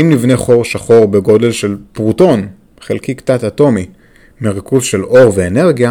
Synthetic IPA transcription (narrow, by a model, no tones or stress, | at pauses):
imnivneχo̞ʁʃaχo̞ʁbeɡo̞de̞lʃe̞lpʁuto̞n | χelkikt̪t͡sat̪ato̞mi | meʁikuzʃe̞lo̞ʁveːne̞ʁɡja